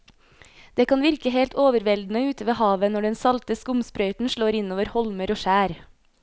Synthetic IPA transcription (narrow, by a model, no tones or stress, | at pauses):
d̪̥eːkʰɑnʋɪɾkəɦeːlt̪oːʋəɾʋɛld̪n̩əʉːt̪əʋeːhɑːʋənɔɖɛnsɑlt̪əskʊmspɾœʏt̪n̩ʃɭoːɾɪnoːʋəɾhɔlməɾoːʃæːɾ